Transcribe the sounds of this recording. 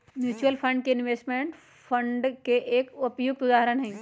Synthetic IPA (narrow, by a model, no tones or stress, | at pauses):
mjuːt͡ɕuəlpʰə̃ɳɖ̚keɪnʋeːsʈmẽːɳʈ | fʰə̃ɳɖkeʔeːkʊpjoːɡ̚t̪ʊd̪aːɦɾənɦɛ̃